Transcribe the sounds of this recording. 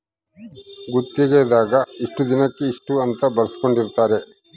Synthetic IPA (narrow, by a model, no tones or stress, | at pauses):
ɡut̪ːeɡeːd̪aːɡɐiʂʈud̪inɐkːe̞iʂʈuɐnt̪ɐbɐɾɐsi̥ko̞ɳɖiɾt̪aːɾe̞